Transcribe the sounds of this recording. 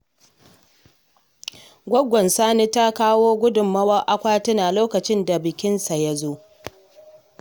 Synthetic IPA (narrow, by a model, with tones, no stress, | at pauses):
ɡʷɔ˦ɡʷːɔ˨nsaː˦ni˦ta˦kaː˦woː˦ɡʷʊ˦dʊ˨mːɐ˦wɐ˦ʔa˦kʷaː˦tɐ˦naː˨loː˦kɐ˨t͡ʃɪ˦nda˨bɪ˨kʲɪ˦nsa˨jɐ˦zoː˦ʔ